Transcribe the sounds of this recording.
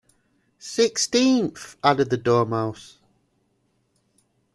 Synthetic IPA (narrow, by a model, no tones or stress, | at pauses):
sɪkstĩˑnθadɪd̪̚ðədɔːmhaʊs